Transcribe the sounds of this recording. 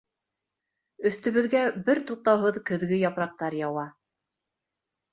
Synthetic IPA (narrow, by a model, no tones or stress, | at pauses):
ɵ̆θt̪ɵ̆βɘ̆ðɡæbɘɾt̪uq̚t̪ɑwɦɤðkɵ̆ðɡɘjɑpɾɑq̚t̪ɑɾjɑwɑ